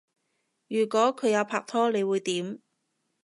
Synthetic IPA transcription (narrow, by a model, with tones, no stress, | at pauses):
jyː˨˩kʷɔː˨˥kʰɵ˨˧jaː˨˧wpʰaː˧k̚t̪ʰɔː˥le˨˧jwuː˨˧jt̪iː˨˥m